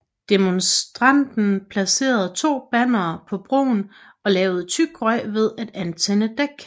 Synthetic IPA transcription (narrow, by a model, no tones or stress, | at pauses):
d̥e̝monsd̥ʁɑ̈n̰d̥n̩pʰlæse̝̰ːɐð̞̩ˠt͡sʰo̝̰ːb̥æn̰ɐːpʰɒ̽b̥ʁo̰ːn | ɒ̽lɛːʊð̞̩ˠət͡sʰyɡ̥ʁɒɪ̰ʋe̝ð̞ˠæd̥ænt͡sʰenəd̥eɡ̥